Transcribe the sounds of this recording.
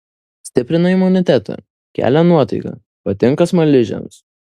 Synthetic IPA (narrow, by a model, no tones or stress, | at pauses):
sʲt̪ʲɪpʲɾʲɪnɐɪmʊnʲɪt̪ʲæt̪ʰɐ̰ | kʲæ̰ːlʲænuɔt̪ɐɪkɐ̰ | pɐt̪ʲɪŋˑkɐsmɐlʲɪʒʲɛ̰ms